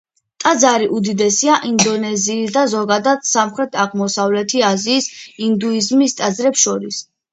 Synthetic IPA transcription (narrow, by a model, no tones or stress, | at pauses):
t̪ʼad̪zaɾiʔud̪id̪ɛsiaʔind̪ɔnɛziːsd̪azɔɡad̪ad̪̥samχɾɛt̪ʰaʁmɔsavlɛt̪ʰiaziːsind̪uizmist̪ʼad̪zɾɛpsʃɔɾis